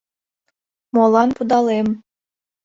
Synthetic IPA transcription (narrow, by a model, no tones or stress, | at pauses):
molˠɑnpud̪ɑlem